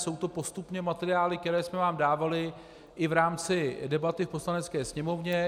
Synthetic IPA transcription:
so̞wt̪o̞po̞st̪upɲɛmat̪ɛɾɪaːlɪk̚t̪ɛɾɛːsmɛvaːmdaːvalɪ | ʔɪvɾaːmt͡sɪdɛbat̪ɪfpo̞slanɛt͡skɛːsɲɛmo̞vɲɛ

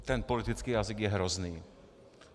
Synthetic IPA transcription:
t̪ɛnpolɪt̪ɪt͡skiːjazɪɡjɛɦɾɔzniː

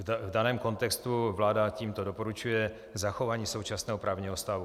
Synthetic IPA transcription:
vdanɛːmko̞nt̪ɛkst̪uvlaːdaciːmt̪odopo̞ɾut͡ʃujɛ | zaxo̞vaːɲiːso̞wt͡ʃasnɛːɦopɾʔaːvɲiːɦost̪avu

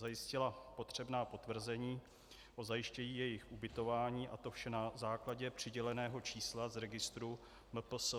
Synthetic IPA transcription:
zajɪscɪlapo̞t̪r̝̥ɛbnaːpo̞t̪vr̩zɛɲiː | ʔo̞zajɪʃcɛɲiːjɛjɪxʔubɪt̪o̞vaːɲiːʔat̪o̞fʃɛnazaːklaɟɛpr̝̥ɪɟɛlɛnɛːɦo̞t͡ʃiːslazɾɛɡɪst̪ɾu | mp̩s

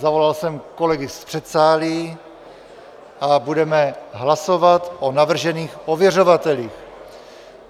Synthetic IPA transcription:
zavo̞lalsɛmko̞lɛɡɪspr̥ɛt̪saːli | ʔabudɛmɛɦlaso̞vat̪ʔonavr̩ʒɛniːxʔovjɛr̝ovat̪ɛliːx

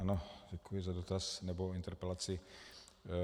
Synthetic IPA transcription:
anoɟɛkujɪzadot̪asnɛboint̪ɛɾpɛlat͡sɪ

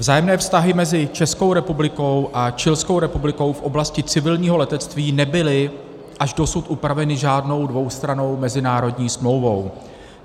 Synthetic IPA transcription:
vzaːjɛmnɛːfst̪aɦɪmɛzɪt͡ʃɛskowɾɛpublɪko̞wʔat͡ʃɪlsko̞wɾɛpublɪko̞wfʔo̞blascɪt͡sɪvɪlɲiːɦo̞lɛt̪ɛt͡st̪viːnɛbɪlɪ | ʔaʒdo̞sut̪ʔupɾavɛnɪʒaːdno̞wdvo̞wst̪ɾano̞wmɛzɪnaːɾo̞dɲiːsmlo̞wvo̞w

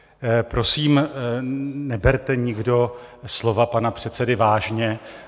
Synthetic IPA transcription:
pɾo̞siːm | nɛbɛɾt̪ɛɲɪɡdo̞slo̞vapanapr̝̥ɛt̪t͡sɛdɪvaːʒɲɛ

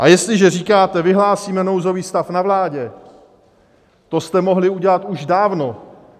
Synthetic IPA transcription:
ʔajɛst̪lɪʒɛriːkaːt̪ɛvɪɦlaːsiːmɛno̞wzo̞viːst̪afnavlaːɟɛ | t̪o̞st̪ɛmo̞ɦlɪuɟɛlat̪uʒdaːvno̞

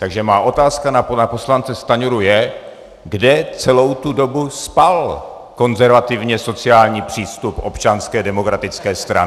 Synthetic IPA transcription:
t̪aɡʒɛmaːʔo̞t̪aːskananapo̞slant͡sɛst̪aɲoɾujɛ | ɡdɛt͡sɛlo̞wt̪udo̞buspal | ko̞nzɛɾvat̪ɪvɲɛso̞t͡sɪjaːlɲiːpr̝̥iːst̪upʔo̞pt͡ʃanskɛːdɛmo̞kɾat̪ɪt͡skɛːst̪ɾa̰

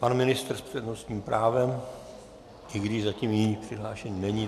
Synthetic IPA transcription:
panmɪnɪst̪r̩spr̝̥ɛdnost̪ɲiːmpɾʔaːvɛm | ʔɪɡdɪʒzaciːmjɪɲiːpr̥ɪɦlaːʃɛɲiːnɛɲiː

